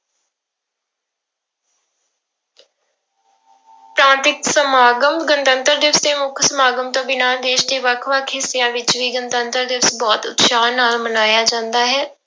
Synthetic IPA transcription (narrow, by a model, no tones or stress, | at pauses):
pɾãːnt̪ɪksəmaːɡəmɡənt̪ənt̪əɾd̪ɪʋsd̪eːmʊkʰsəmaːɡəmt̪õːbɪnaːd̪eːʃd̪eːʋəkʰʋəkʰɦɪsːɪjãːʋɪt͡ʃʋiːɡənt̪ənt̪əɾd̪ɪʋəsbɔːt̪ʊ̰t̪ʃaːnaːlmənaːjaːd͡ʒãːnd̪aːɦɛː